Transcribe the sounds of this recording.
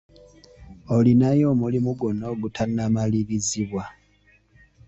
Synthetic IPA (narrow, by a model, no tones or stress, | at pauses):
olinajo̞ːmulimuɡonoɡutʰanːamaliβiziβwa